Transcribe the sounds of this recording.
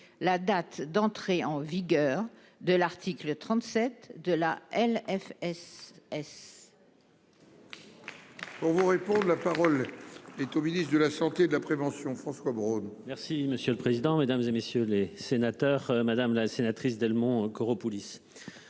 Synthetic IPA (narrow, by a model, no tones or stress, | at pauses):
lad̪at̪d̪ɑ̃t̪χeɑ̃viɡʲœʁ | d̪əlaʁt̪iklət̪χɑ̃t̪sɛt̪d̪əlaʔɛlɛfɛsɛs | puʁvuʁepɔ̃d̪ʁlapaʁɔlɛt̪ominist̪d̪əlasɑ̃t̪ed̪əlapχevɑ̃sjɔ̃fχɑ̃swabʁonmɛʁsiməsjøləpχezid̪ɑ̃med̪amzemesjølesenat̪œʁmad̪amlasenat̪χisd̪ɛlmɔ̃kɔʁopulis